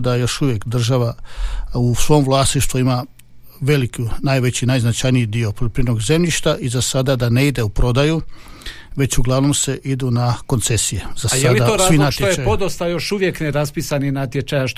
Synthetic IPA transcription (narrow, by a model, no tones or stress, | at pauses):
d̪ajo̞ʃuʋje̞kd̪r̩ʒaʋa | usʋo̞ːmʋlˠaːst̪niʃt̪ʋuima | ʋe̞likunajʋe̞t͡ɕinajznat͡ʃajnijid̪io̞poepɾieno̞ɡze̞mʎiʃt̪aʔizasad̪ad̪aneid̪e̞upɾo̞d̪aju | ʋe̞t͡ɕuɡlˠaʋno̞mse̞ʔid̪unako̞nt̪se̞sijezajeadiaoɾainat̪jeojeajod̪ost̪ajoʃuʋjekneɾaspisaninat̪jet͡ʃajaʃ